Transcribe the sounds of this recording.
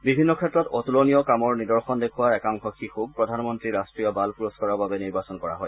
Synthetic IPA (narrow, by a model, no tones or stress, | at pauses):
bibʱinːɔkʰɛtːɹɔtɔtulonijɔkamɔɹnidɔɹxɔndekʰuwaɛkaŋkʰɔxʰixuɡ̚pɹɔd̪ʱanmɔntɹiɹastɹijɔbalpuɹɔskɔɹɔbabɛniɹbasɔnkɔɹa̰ɦɔj